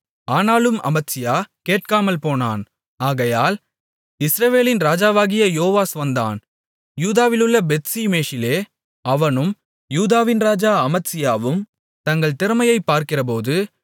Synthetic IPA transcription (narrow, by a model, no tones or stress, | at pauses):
aːnaːlɯmɐ̰mɐtsɪjaːkeːʈ̚kaːmɐlpoːna̰ːn | aːɣɐjaːl | ɪsɾɐʋeːlɪnɾaːd͡ʒaːʋaːɣɪjɐjoːʋaːsʋɐnd̪a̰ːn | juːðaːʋɪlɯɭːɐbɛt̪siːmeːʂɪleː | ɐʋɐnɯm | juːðaːʋɪnɾaːd͡ʒaːɐmɐtsɪjaːʋɯm | t̪ɐŋɡɐɭt̪ɪɾɯmɐjɐɪpːaːɾkɪrɐpoːðɯ